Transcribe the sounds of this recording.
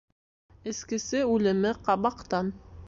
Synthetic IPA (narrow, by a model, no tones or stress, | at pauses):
ɘ̆skɘ̆sɘʉlɘ̆mɘqɑβɑqt̪ɑn